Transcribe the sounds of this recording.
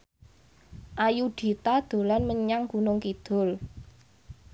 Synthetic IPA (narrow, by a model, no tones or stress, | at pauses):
ʔajuɖ̪̥i̤t̪ad̪̥o̤lanməɲaŋɡunʊŋkid̪̥ʊ̤l